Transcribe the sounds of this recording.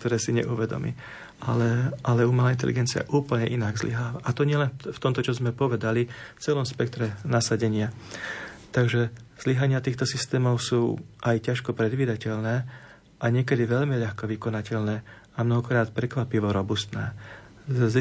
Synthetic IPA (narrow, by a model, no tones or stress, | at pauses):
k̚t̪ɔɾɛːsiɲɛ̰ʔuʋɛd̪ɔ̰mḭː | alɛʔalɛumɛlaːint̪ɛ̰liɡɛnt͡sia̰ʔuːpl̩ɲɛʔinaɡzlḭɦaːʋaʔat̪ɔɲɪɛlɛnft̪ɔmt̪ɔt͡ʃɔzmɛpɔʋɛd̪alift͡sɛlɔmspɛk̚t̪ɾɛnasaɟɛɲɪa | t̪aɡʒɛz̥liɦaɲɪat̪iːxt̪ɔsist̪ɛːmɔʊsuːʔajcaʃkɔpɾɛd̪ʋiːd̪acɛʎnɛː | ʔaɲɪɛkɛd̪iʋɛʎmiʎaxkɔʋikɔnacɛʎnɛː | amnɔɦɔkɾaːt̪̚pɾɛkʋapiʋɔɾɔbust̪nɛ̰ː | z